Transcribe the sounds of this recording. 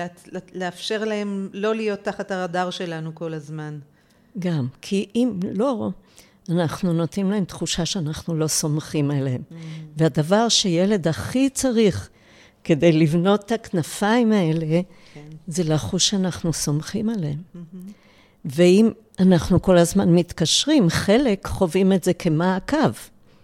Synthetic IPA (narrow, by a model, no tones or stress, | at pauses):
leafʃe̞ʁlae̞mlo̞lijo̞tːaχathaʁadaʁʃe̞lanuko̞lazman | ɡamkʰiʔimlo̞ | anaχnuno̞t̪imlaemt̪χuʃaʃeanaχnulo̞so̞mχimaleemveadavaʁʃeje̞le̞d̪aχit͡saʁiχ | ke̞d̪e̞jlivno̞t̪ːaknafaimae̞le̞ | ze̞laχuʃeanaχnuso̞mχimalem | veim | anaχnuko̞lazmanmit̪kaʃʁimχe̞le̞kχo̞vimetze̞kʰe̞maːkav